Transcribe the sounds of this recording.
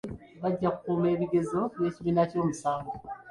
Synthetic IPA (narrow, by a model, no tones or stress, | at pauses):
βaɟːakukuːme̞ːβiɡe̞zo̞βe̞ːciβinaco̞ːmusaːɡo